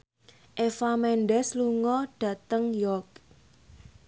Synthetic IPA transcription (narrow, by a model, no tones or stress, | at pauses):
ʔefamɛnɖɛsluŋɔɖ̥ä̤t̪əŋjɔk